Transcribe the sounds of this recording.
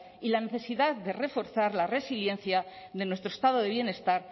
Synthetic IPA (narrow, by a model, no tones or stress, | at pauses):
ilane̞θe̞siðaðd̪e̞re̞fo̞ɾθaɾlare̞silje̞nθjaðe̞nwe̞st̪ɾost̪aðo̞ðeβje̞ne̞st̪aɾ